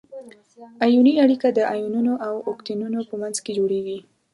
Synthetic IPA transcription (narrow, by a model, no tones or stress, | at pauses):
ajuniaɽikad̪əʔajununoʔawokt̪inunopəmanzked͡ʒoɽeɡi